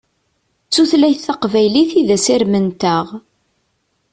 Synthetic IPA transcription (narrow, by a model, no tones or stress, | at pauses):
t͡sːuθlæjθθɑqvæjliθiðæsɪɾmənt̪əʁ